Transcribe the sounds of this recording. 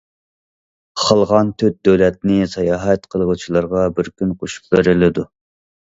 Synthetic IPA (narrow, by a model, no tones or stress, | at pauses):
χɑlˠʁɑnt̪ʰøt̪̚d̪øwlɛt̪̚nɪsɑjɑːɦɛt̪qʰəlˠəʁut͡ʃʰilˠɑɾʁɑbɪɾkʲynqʰoʃu̥p̚beɾɪlɪd̪u